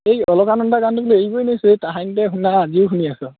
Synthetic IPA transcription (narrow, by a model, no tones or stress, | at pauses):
ejɔlɔkanɔndakantubuleeɦibojnesjtaɦantɛɦunaːziʊxuniasɔ